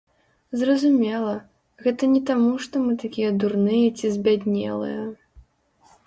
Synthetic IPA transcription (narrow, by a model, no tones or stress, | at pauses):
zrɐzumʲɛlˠɐ | ɣɛt̪ɐnʲɛt̪amuʂt̪ɔmɨt̪akʲijɛd̪urnɨjɐt͡sʲizʲbʲad̪ʲnʲɛ̰lˠɨ̰jɐ